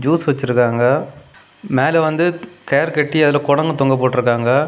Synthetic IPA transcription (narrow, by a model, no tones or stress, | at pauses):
d͡ʒuːsʋɐt͡ʃːɪɾɯkːaːŋɡɐ | meːlɐʋɐnd̪ɯkeːɾkɛʈːiɐðɪlɐːkɔɽɐŋɡɐt̪ɔŋɡɐp̬oːʈːɪɾɯkːaːŋɡɐ